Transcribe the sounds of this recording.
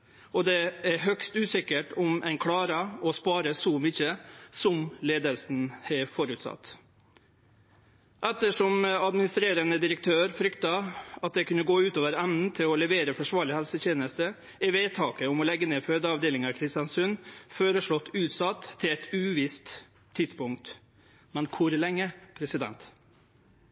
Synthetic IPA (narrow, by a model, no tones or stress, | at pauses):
ʔɔd̪ɛæɾɦœkst̪ʉːsɪkəʈʊmʔæɪnkʰɽɑːɾəɔspɑːɾəsɔmʏçəsɔmleːd̪əlsn̩hɛfɔɾʉːt̪sɑ̰t̪ː | ʔɛt̪ːəʂɔmɑd̪mɪnɪst̪ɾeːɾənəd̪ɪɾək̚t̪ʰøːɾfɾʏkt̪ɑɑt̪̚d̪ɛkʉnəɡoːʉːt̪oːʋəɾæmnn̩t̪ʰɪlɔlɛʋeːɾəfɔʂʋɑːɭɪhælsəçeːnəst̪ə | ɪʋeːt̪ʰɑːkəʊmɔlɛɡːəneːføːd̪əɑʋd̪eːlɪŋɑɾkʰɾɪst̪jɑnsʉnføːɾəʂɭɔt̪ːʉːt̪sɑt̪ʰːɪlɛt̪ʉːʋɪst̪ʰː | ɪd̪spʊŋk̚t̪ | mɛnkʰʊɾlɛŋːəpʰɾɛsɪd̪ɛ̰nt̪